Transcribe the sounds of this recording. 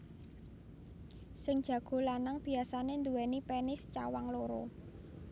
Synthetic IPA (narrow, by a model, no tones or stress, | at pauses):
sɪŋd̥ʒ̥ä̤ɡ̥o̤lanaŋb̥i̤asanend̪uwɛnipenɪst͡ʃawaŋloɾɔ̰